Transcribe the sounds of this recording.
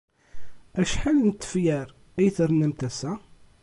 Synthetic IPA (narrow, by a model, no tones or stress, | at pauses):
æʃħalnt̪ːə̥fjæɾ | ijθəɾnəmt̪æsæ